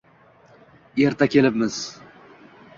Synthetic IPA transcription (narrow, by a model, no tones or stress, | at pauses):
eɾt̪ʰakʲʰe̞lɪpmɪz̥